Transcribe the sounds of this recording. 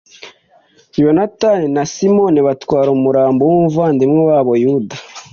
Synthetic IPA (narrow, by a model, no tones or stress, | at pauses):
ijonataninasimoniβatwaːɾomuɾaːmbowuuvaːndimŋewaːβojuda